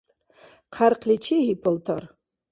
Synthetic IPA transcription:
qʰarqʰlʲit͡ʃʰiipʰəltʰa̰r

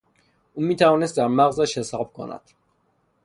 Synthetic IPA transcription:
ʔuːmiːt̪ʰævɒːnest̪̚d̪æɾmæɣzæʃhe̞sɒːb̥̚kʰo̰næ̰d̪̥

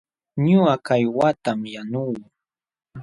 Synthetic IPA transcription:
ɲʊakajwat̪amjanuː

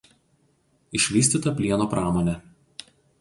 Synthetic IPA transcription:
ɪʃʲʋʲiːsʲt̪ʲiːt̪ɐpʲlʲiɛnoːpɾɑːmoːnʲɛ

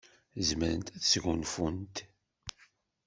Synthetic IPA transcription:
zməɾə̰nt̪æθsʝunfunt̪

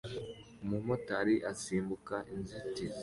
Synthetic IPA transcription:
mumotaɾiʔasiːmbukaʔinziti

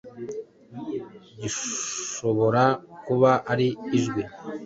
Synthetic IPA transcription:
ɟiʃo̞βo̞ɾakuβaʔaɾiːʒɡwi

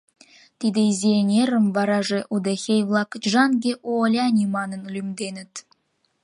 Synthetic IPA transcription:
t̪id̪ĕizʲeenʲeɾə̆mvɑɾɑʒeʔud̪exʲejvlˠɑkʒɑnɡʲeʔoolʲɑnʲimɑnə̆nlʲymd̪enɘ̆t̪

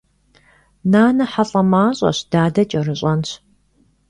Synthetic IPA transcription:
naːnɐħaɬʼɐmaːɕʼɐ̰ɕd̥aːdɐt͡ʃʼɐrɨɕʼɐnɕ

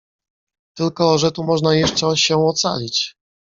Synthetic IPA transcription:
t̪ɘlkɔʐɛt̪umɔʐnajɛʂt͡ʂɛɕɛɔt̪sa̰lʲit͡ɕ

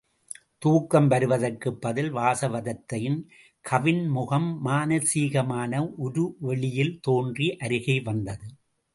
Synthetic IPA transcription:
t̪uːkːɐmʋɐɾɯʋɐðɐrkɯpːɐðɪlʋaːsɐʋɐðɐt̪ːɐjɪn | kʰɐʋɪnmʊɣɐmːaːnɐsiːɣɐmaːnɐʔʊɾɯʋɛɭɪjɪlt̪oːndriʔɐɾɯɣɐɪʋɐnd̪ɐðɯ

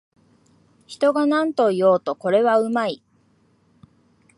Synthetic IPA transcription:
çi̥t̪o̞ɡanãnt̪o̞ijo̞ːt̪o̞ko̞ɾe̞βaɯ̟mai

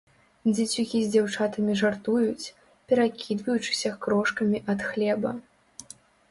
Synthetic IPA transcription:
d͡zʲat͡sʲukʲizʲd͡zʲawt͡ʂat̪ɐmʲiʐart̪ujut͡sʲ | pʲɛɾakʲʰid̪vɐjut͡ʂɨ̥sʲɐkɾɔʂkɐmʲiʔɐt̪xlʲɛbɐ̰

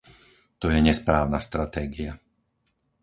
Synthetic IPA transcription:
t̪ɔjɛɲɛspɾaːʊnast̪ɾat̪ɛːɡia

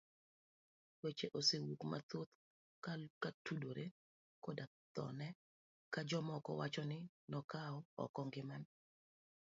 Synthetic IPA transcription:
wet͡ʃeʔosewukma̰t̪ot̪ | kakatudoɾe | koda | t̪ɔ̰nɛ | kad͡ʒɔmɔkɔ̰wat͡ʃɔnɪ | nɔkaɔɔ̰kɔŋɡɪman

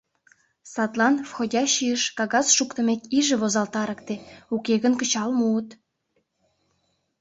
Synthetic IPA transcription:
sɑt̪lɑnfxodʲɑɕiəʃkɑɣɑsʃukt̪ə̆met̪iʒĕβozɑlt̪ɑɾə̆kt̪eukeɣənkə̆t͡ɕɑlmuːt̪

